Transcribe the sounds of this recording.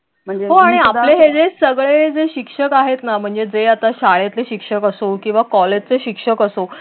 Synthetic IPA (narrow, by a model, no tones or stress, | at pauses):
m̤əɳɦoaɽ̃iapleɦed͡zesəɡɭed͡zeɕikʂəkaɦet̪nam̤əɳd͡zed͡zeat̪aɕaɭat̪leɕikʂəkəsokĩw̃ʋakɔled͡ʑt͡seɕikʂəkəso